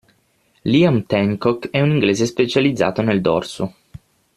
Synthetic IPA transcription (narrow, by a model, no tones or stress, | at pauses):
liamt̪ɛŋkɔkɛuniŋɡleːzespet͡ʃalid̪zːa̰ːt̪oneld̪ɔ̰rso